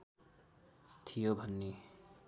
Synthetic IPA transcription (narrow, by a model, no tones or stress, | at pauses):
t̪ʰijobʱʌnːe